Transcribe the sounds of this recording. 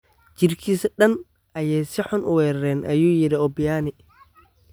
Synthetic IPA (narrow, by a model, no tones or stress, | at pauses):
d͡ʒɪrkʰiːsɐɗɐn | ʔɐjɛjsɪħʊnʔʊwɛːɾɐɾɛːnʔɐ̰juːjɪɾɪɔbɪjaːnɪ